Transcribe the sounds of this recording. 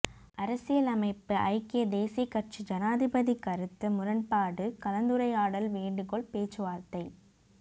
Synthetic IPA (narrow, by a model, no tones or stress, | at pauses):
ʔɐɾɐsɪjɐlɐmɐɪpːɯʔɐɪkːɪjɐd̪eːsɪjɐkːɐɾt͡ʃid͡ʒɐnaːðɪbɐðikːɐɾɯt̪ːɐmʊɾɐnpaːɽɯkɐlɐnd̪ɯɾɐɪaːɽɐlʋeːɳɖɯkɔɭpeːt͡ʃːɯʋaːɾt̪ɐɪ